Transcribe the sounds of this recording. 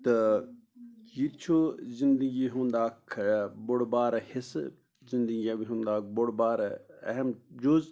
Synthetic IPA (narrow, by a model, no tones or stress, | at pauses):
t̪ɐ | jit̪t͡ʃʰozind̪əɡiɦũːnd̪aːkʰboɽbaːɾɐhɪs | zĩnd̪əɡijãbiɦũːnd̪aːk̚boɽbaːɾɐ̰ɦɐmd͡ʒoːz